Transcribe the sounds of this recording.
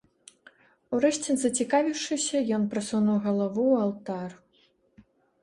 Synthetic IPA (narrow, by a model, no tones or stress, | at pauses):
uɾɛʃʲt͡sʲinzɐt͡sʲikavʲiwʂɨsʲɐjɔnpɾɐsunuwɣɐlˠavualˠt̪ar